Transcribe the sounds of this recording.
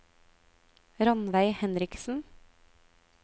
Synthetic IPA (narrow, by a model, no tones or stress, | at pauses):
ɾɑnʋæɪhɛnɾɪksn̩